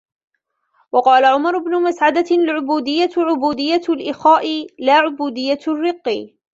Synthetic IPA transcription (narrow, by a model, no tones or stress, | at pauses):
wɑqɑːlaʕʊmɑɾˤʊbnʊmasʕad̪alʕʊbuːd̪ɪjːaʕʊbuːd̪ɪjːalʔɪxaːʔɪlaːʕʊbuːd̪ɪjːarːɨqːi